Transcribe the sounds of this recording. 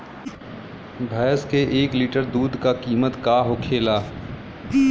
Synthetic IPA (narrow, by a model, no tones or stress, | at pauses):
bʱaːjskeʔeːkliːʈəɾd̪uːd̪kakiːmət̪kaːɦokʰeːlaː